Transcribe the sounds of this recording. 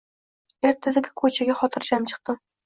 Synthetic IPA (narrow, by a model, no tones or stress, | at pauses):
eɾt̪ʰːɪzɪɡʲɪ̥kʰɵt͡ʃʰaɡʲaχɒt̪ʰɪɾd͡ʒamt͡ʃʰɨ̥q̚t̪ɪ